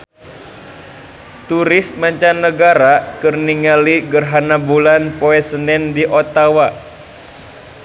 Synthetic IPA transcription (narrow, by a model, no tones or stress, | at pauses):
t̪uɾɪsmaɲt͡ʃanːəɡaɾakərniŋaliɡərɦanabulanpoɛsənɛndiʔot̪awa